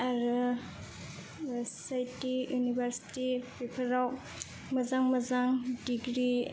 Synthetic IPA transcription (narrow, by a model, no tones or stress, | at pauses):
aɾ | essajtijunibʱɐɾsi̥tipipʰɐɾaw | mɐzaŋmɐzaŋdiɡɾi